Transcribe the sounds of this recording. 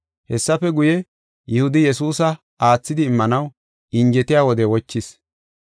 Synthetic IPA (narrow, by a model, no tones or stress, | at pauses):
hɛsːɐfɛɡʊjɛ | jʊhʊd̪ɪjɛsuːsɐ | ʔaːt͡sːɪd̪ɪːmːɐnɐw | ʔɪɲd͡ʒɛt̪ɪjaːwɔd̪ɛwɔt͡ʃːɪs